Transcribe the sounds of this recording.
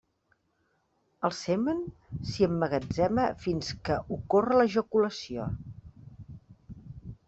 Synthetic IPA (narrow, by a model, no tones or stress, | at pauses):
əlˠsɛmənsiəmːəɣəd͡zɛməfinskəʔukorələʒəkuləsio̰